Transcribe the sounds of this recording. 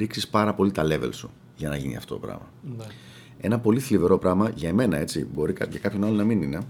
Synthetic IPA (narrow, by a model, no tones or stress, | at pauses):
ɾiksispɐɾɐpo̞lit̪ɐle̞ve̞̰lsu | ʝɐnɐʝinḭɐ̰ft̪o̞t̪opɾɐ̰mɐ | e̞nɐpo̞liθlive̞ɾo̞pɾɐmɐʝɐeme̞nɐe̞t͡sibo̞ɾikɐt̪ʝɐkɐpço̞nɐlonɐminine̞